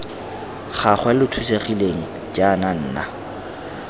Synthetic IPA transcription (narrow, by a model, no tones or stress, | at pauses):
χaχwalɪtʰuseχileŋ̩ | t͡ʃʼanan̩ːna̰